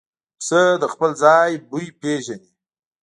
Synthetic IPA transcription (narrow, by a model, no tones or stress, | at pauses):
səd̪əxpəlzɑjbujpeʒani